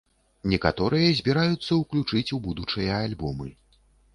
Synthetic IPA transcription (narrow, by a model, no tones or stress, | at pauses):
nʲɛkat̪ɔɾɨjɐzʲbʲɛɾajut̪sːɐuklʲut͡ʂɨt͡sʲubud̪ut͡ʂɨjɐalʲbɔmɨ